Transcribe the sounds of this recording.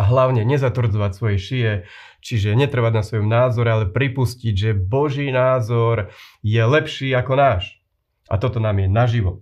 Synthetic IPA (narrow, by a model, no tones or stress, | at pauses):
ɦlaʊɲɛɲɛzat̪ʋr̩d͡zɔʋacsʋɔjɛʃijɛ | t͡ʃiʒɛɲɛt̪r̩ʋaɟnasʋɔjɔmnaːzɔɾɛalɛpɾipusciɟʒɛbɔʒiːnaːzɔɾjɛlɛpʃiːakɔnaːʃ | ʔa̰t̪ɔt̪ɔnaːmjɛnaʒiʋɔ